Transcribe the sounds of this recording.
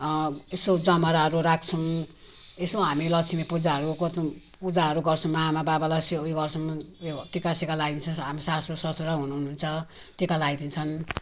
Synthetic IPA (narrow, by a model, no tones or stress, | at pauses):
esod͡zamaɾaɦʌɾuɾakʰt͡sʰʌw | esoɦamilʌt͡sʰimepud͡zaʌɾukot̪ | pud͡zaɦʌɾuɡʌrt͡sʰʌ̃maamababalaseuiɡʌrt͡sʰumʈikasikalaɡd̪int͡sʰʌɦamisasosʌsuɾaɦunununt͡sʰʌtikalad̪int͡sʰʌn